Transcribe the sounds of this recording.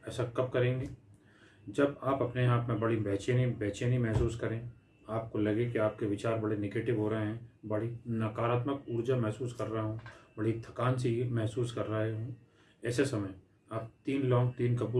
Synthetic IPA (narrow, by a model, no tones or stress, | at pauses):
ɛːsakɐp̚kɐɾẽːŋɡeː | d͡ʒɐbaːpɐpneaːpmẽbɐɽibɛɦt͡ʃeːnibɛːt͡ʃeːnimɛɦsuːskɐɾẽː | aːp̚kolɐɡekiaːp̚keʋɪt͡ʃaːɾbɐɽeneɡeːʈɪʋɦoːɾɐɦeɦɛ̃ːbɐɽinɐkaːɾaːt̪məkuːɾd͡ʒamɛɦsuːskɐɾːɐɦaɦũːbɐɽit̪ʰɐkaːnsimɛɦsuːskɐɾːɐɦeɦũː | ɛːsesɐməj | aːp̚t̪iːnlɔ̃ːŋɡt̪iːnkɐbuː